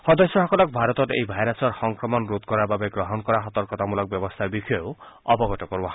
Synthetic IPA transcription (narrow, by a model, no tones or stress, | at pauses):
hɔd̪ɔsjɔɦɔkɔlɔk̚bʱaɾɔt̪ɔtḛjbʱajɾasɔɾxɔŋkɾɔmɔnɾud̪̚kɔɾababeɡɾɔɦɔnkɔɾaɦɔt̪ɔɾkɔt̪amulɔk̚bjɔbɔst̪ʰabikʰɔjow | ɔbɔɡɔtɔkɔɾbɔɦ